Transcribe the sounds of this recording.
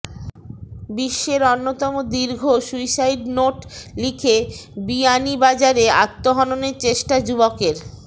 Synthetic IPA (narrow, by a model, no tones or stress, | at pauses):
biʃːeɾonːot̪ɔmod̪iɾɡʱoʃujsajʈnoʈlikʰebianibad͡ʑaɾea̰t̪ːoɦɔnoneɾt͡ɕeʃʈad͡ʑubokeɾ